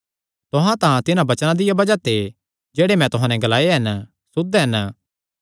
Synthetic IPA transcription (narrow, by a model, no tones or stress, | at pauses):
t̪ʊɦãt̪ãt̪ɪnãbɐt͡ʃnãd̪ɪjabɐd͡ʒat̪ʰe | d͡ʒeːɽemɛ̃t̪ʊɦãnɛɡɐlaːeɦɛn | sʊd̪ɦɛn